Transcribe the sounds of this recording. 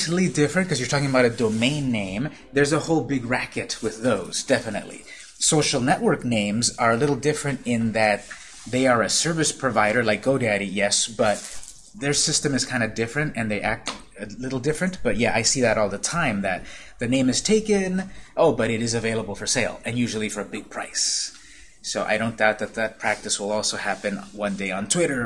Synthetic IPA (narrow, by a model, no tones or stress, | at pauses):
ɾl̩ˠidɪfɹɨ̃n̚kʰʌzjə˞tʰɔkɪ̃ŋəbaʊɾɨdoʊmẽɪ̃nːẽɪ̃m | ðə˞zəhoʊlˠbɪɡɹækɨt̚wɨðoʊz̥dɛfɨnɨ̰ʔˡlḭ | soʊʃl̩ˠnɛʔwɜ˞knẽɪ̃mzə˞ɨlɪɾl̩ˠdɪfɹɨ̃ntɪ̃nðɨt̪̚ | ðeɪə˞ɨsɜ˞vɨspʰɹ̥ɨvaɪɾə˞laɪk̚ɡ̥oʊdæɾijɛsb̥ʌt̪̚ | ðə˞sɪstɨ̃mɨz̥kʰãɪ̃ndɨdɪfɹɨ̃ntɨ̃nðeɪʔæk̚t | ɨlɪɾl̩ˠdɪfɹɨ̃nb̥ʌt̚jæʔaɪsiðɨɾɔlˠðətʰãɪ̃mðɨt̪̚ | ðɨnẽɪ̃mɨz̥tʰeɪkɨ̃nʔoʊbʌɾɨɾɨzɨveɪlˠəbl̩ˠfə˞seɪlˠɨ̃njʉʒl̩ˠifə˞ɨbɪɡ̚pʰɹ̥a̰ɪsː | oʊʔa̰ɪɾõʊ̃nd̥aʊt̪̚ðɨt̪̚ðɨt̚pʰɹ̥æk̚tɨswəlˠɔlˠsoʊhæpɨ̃nwʌ̃ndeɪə̃ntʰw̥ɪɾə˞